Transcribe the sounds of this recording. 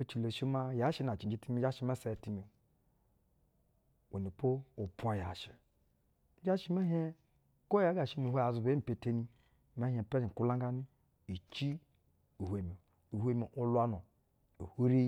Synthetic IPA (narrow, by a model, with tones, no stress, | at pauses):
o˦t͡ʃi˨lo˨ʃi˦ma˦ja˨˦ʃi˦na˨t͡ʃi˨d͡ʒi˦ti˦mi˦d͡ʒa˦ʃi˦ma˦se˨ti˨mi˨ | wṵ˨ni˨po˦o˨pʷa˨ja̰˨ʃi̥˨˦ | d͡ʒa˦ʃi˦ma˦ɦe˦ | ko˦a˨˦ɡa˨ʃi˦nu˨ɦʷo˦ja˨zu˨be˦m̩˨pe˨te˦ni˦ | ma˦ɦe˨pe˦d͡ʒi˨ku˦la˦ŋɡa˦ni˦ | i˨t͡ʃi˦ | u˨hʷe˨mi˨ | u˨he˦mi˨ʔo˦lu˦a˦nu˨ | o˨hu˦ɾi˦